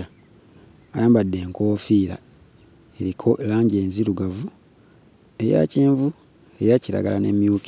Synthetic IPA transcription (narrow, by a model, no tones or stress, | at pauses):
ajaːmbadːe̞ːŋkoːfiːɾa̰ | eɾikʰolaːɲɟe̞ːnziɾuɡavu | e̞ja̰ceːɱvu | e̞jaciɾa̰ɡalanemjuːki